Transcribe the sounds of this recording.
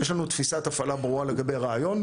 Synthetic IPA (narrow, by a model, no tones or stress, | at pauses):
jeʃlanut̪fisat̪afalabʁuale̞ɡabejʁeajo̞n